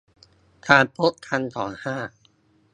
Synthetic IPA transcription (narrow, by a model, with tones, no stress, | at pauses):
t̪ʰaː˧˩npʰo˦˥kʰːa˧nt̪ʰɔː˩˦nhaː˥˩